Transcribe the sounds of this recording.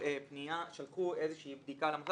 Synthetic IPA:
epnijaʃalkuezeʃiːbd̪ikalamos

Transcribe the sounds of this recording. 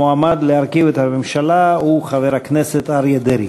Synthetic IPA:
oamad̪leaɾkivet̪hamemʃalauχaveɾakneset̪aɾjed̪eɾi

